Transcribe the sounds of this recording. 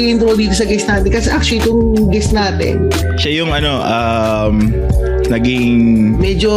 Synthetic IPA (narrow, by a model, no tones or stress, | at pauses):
ʔɪnt̪ɾold̪iːt̪os̬ɐɡɛst̪naːt̪ɛnkɐsɛʔak̚t͡ʃʊlɪt̪oŋ | ɡɛst̪naːt̪ɪ̰n | ʃajʊŋʔɐno̞ʔa | m | nɐɡiŋmɛd͡ʒo